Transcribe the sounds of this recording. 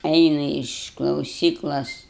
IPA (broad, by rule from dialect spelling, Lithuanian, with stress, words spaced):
ˈɛɪnʊ ɪʃ klˠɐʊˈsʲiːklˠoːs